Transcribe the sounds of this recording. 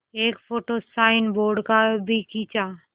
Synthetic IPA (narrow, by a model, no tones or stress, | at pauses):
eːkpʰoʈosaɪnboɾɖkabʱikit͡ʃa